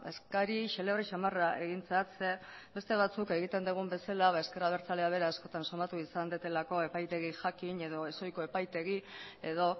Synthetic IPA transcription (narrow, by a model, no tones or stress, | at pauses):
e̞̰skaɾiʃe̞leβreʃamaraʔe̞ɣint͡sat͡se̞be̞st̪e̞β̞at͡suke̞ɣ̞it̪e̞nd̪uɣ̞umbe̞salaβae̞skeɾaβ̞e̞ɾt͡saleaβ̞e̞ɾaasko̞t̪anso̞mat̪uisand̪et̪e̞lako̞e̞pajt̪e̞ɣiʝakiɲe̞ð̞o̞e̞so̞jko̞e̞pajt̪e̞ɣie̞ðo̞